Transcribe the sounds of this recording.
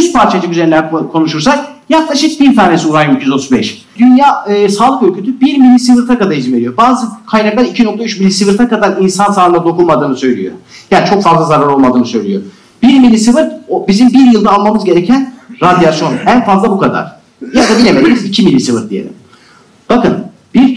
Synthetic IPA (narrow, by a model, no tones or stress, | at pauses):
yst̪̚pʰaɾt͡ʃʰad͡ʒɯkyzeɾnlʲæɾkʰo̞nuʃuɾsak | jaklˠaʃɯk̚biɾt̪ʰaːne̞siuɾajicʰyjyzo̞t̪ʰuzbɛʃ | d̪ynjaːɯːsaːlˠɯkø̞lʲcʰyt̪ʰybiɾmilʲːisivɯɾt̪ʰakad̪aɾizime̞ɾʲijoɾbaːzɯkʰajnaklˠaɾicʰino̞k̚t̪ayt͡ʃmilʲːisivɯɾt̪ʰakad̪aɾinsansaːlɯnd̪ad̪o̞kulˠmad̪ɯːnɯsø̞jlʲḭjoɾjat͡ʃʰo̞kfazlˠazaɾaɾo̞lˠmad̪ɯːnɯsø̞jlʲijo̰ɾm | biɾmilʲːisɯvɯɾt̪obizimbiɾjɯlˠd̪aːlˠmamɯzɟe̞ɾecʰænɾad̪ijasjo̞nænfazlˠabukad̪a̰ɾ̥ | jad̪abinʲemelʲimizicʰimilʲːisɯvɯɾt̪̚d̪ijelʲḭm | b̥akɯn | b̥iɾ